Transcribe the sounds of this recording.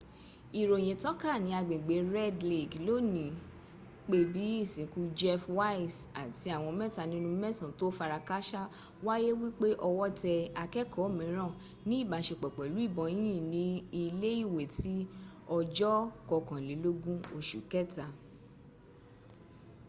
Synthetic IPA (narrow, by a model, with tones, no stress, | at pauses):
i˨ɾo˨j̃ẽ˨tɔ̃˦ka˦˨nĩ˧˦a˧ɡ͡bẽ˨ɡ͡be˨˦ɾɛ˦dli˨klo˦nĩ˨ | k͡pe˧˦bi˨˦i˦˨sĩ˨˦ku˦d͡ʒɛ˦fwa˦i˨sa˨ti˧a˦˨w̃ɔ̃˧mɛ̃˦˨ta˨nĩ˦nũ˦mɛ˦˨sã˨to˦fa˧ɾa˧ka˦ʃa˦ | wa˦je˦wi˦k͡pe˦ʔɔ˧wɔ˦tɛ˧a˧kɛ˦kʰɔ˨˦˨mĩ˨˦ɾ̃ã˦˨ | nĩ˨˦˨ba˨˦ʃe˧k͡pɛ˨k͡pɛ˨lu˨˦i˦˨bɔ̃˧˦ĩ˦ĩ˦˨nĩ˨˦i˧le˦i˦˨we˨ti˨˦ɔ˧d͡ʒɔ˦kɔ˧kã˨le˨˦lo˦ɡũ˦o˦˨ʃṵ˨kɛ˦˨ta˨